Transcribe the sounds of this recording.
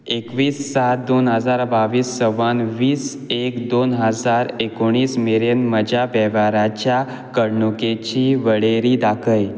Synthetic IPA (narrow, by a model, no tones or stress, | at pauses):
ekʋiːsːat̪̚d̪onɦəd͡zaɾbaʋiːsːəʋanʋiːs | ekd̪onɦəd͡zaɾekoɽ̃iːsmeɾjənməd͡ʑʱabɛʋaɾat͡ɕja | kəɽɳuket͡ɕiːʋəɭeɾiːd̪akʰəj